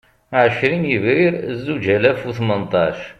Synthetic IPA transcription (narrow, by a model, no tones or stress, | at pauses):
ʕəʃɾinjiviɾzːud͡ʒælæfwuθmənt̪ˤɑʃ